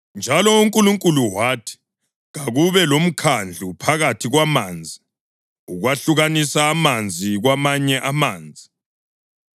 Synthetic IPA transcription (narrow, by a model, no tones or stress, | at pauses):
nd͡ʒʱalɔuŋkʼuluŋkʼuluwaːtʰi̥ | ɣaɣuβɛlom̩kʰand͡ɮʱupʰaɣatʰiɣwamaːnd͡zʱi | uɣwaɬuɣanisaːmand͡zʱiɣwamaɲɛʔamaːnd͡zʱi